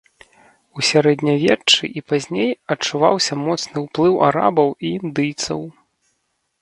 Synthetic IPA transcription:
usʲaɾɛd̪ʲnʲɐvʲɛt͡ʂɨ̰ʔipazʲnʲejɐt͡ʂːuvawsʲɐmɔt̪snɨwplˠɨwʔa̰ɾa̰bɐwiːnd̪ɨjt̪sɐ̰w

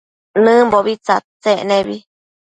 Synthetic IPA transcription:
nɨ̃boβit͡sat͡sẽʔnẽβi

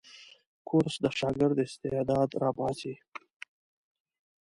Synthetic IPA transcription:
kʰʊɾsd̪əʃɑːɡɪɾd̪ɪst̪ed̪ɑːd̪ɾɑːbɑːsi

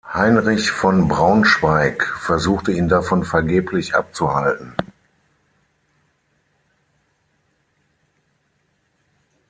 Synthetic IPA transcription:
haɪnʁɪçfɔnbʁaʊnʃv̥aɪkfɛɐzuːxtəiːndafɔnfɛɐɡeːpʰlɪçʔa̰p̚t͡suhaltn̩

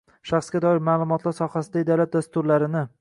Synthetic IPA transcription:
ʃaχsɡʲad̪ɒɪɾmaːlˠʊmɒt̪ʰlaɾsɒhasɪd̪ad̪alat̪̚d̪ast̪ʊɾlaɾɪnɪ

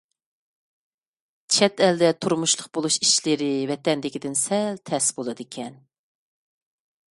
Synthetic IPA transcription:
t͡ʃʰɛt̪ɛld̪ɛt̪ʰuɾmuʃlˠəχbolˠuʃi̥ʃlɪɾɪvɛt̪ɛnd̪ɪkʲid̪ɪnsɛlt̪ʰɛsbolˠɨd̪ɨkʲʰɛn

